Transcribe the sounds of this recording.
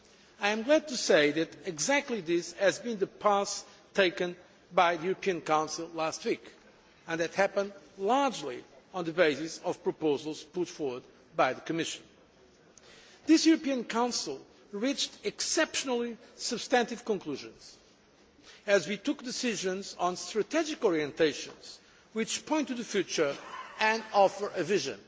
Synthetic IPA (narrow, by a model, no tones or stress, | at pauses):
aɪjɨ̃mɡlæd̚tɨseɪðɨɾɨɡzæk̚tˡliðɪshɨzbɨ̃nðɨpʰas | tʰeɪkɨ̃n | baɪðɨjuɹɨpʰiɨ̃nkãʊ̃nsɨl̩ˠlæst̚wik | ɨ̃nðɨthæpə̃ndlɑɹd͡ʒliɔ̃nðɨbeɪsɪsʌv̥pɹɨpoʊzəlˠz̥pʊtfɔɹwəd̚ | baɪðɨkɨmɪʃɨ̃n | ðɪsjuɹɨpiɨ̃nkʰãʊ̃nsl̩ˠ | ɹit͡ʃtɨksɛpʃənl̩ˠisɨb̥stæ̃ntɨv̥kə̃nkl̥uʒɨ̃nz̥ | ɨzwitʊk̚d̪ɨsɪʒɨ̃nzɔ̃nstɹ̥ɨtʰɛd͡ʒɪkɔɹiɨ̃nteɪʃɨ̰̃nz̥ | wɪt͡ʃpʰɔ̃ɪ̃ntɨðɨfjʉt͡ʃə˞ɨ̃ndɔfə˞ʔɨvɪʒɨ̰̃n